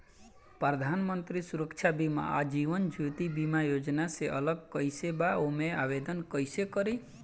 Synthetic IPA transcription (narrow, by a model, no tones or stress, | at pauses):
pəɾəd̪ʱanmənt̪ɾisuɾəkt͡ʃʰabima̰a̰d͡ʒiʋənd͡ʒʱut̪ibimajod͡ʒnaseʔələɡkəɪsebaomeabed̪ənkəjsekəɾi